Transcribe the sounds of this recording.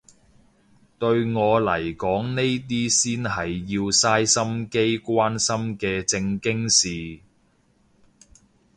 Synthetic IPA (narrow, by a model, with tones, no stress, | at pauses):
t̪ɵ˧ɥŋɔː˨˧lɐ˨˩jkɔː˨˥ŋne˥jt̪̬iː˥siː˥nhɐ˨jːiː˧wsaː˥jsɐ˥mke˥jkʷaː˥nsɐ˥mkɛː˧t͡sɪ˧ŋkɪ˥ŋsiː˨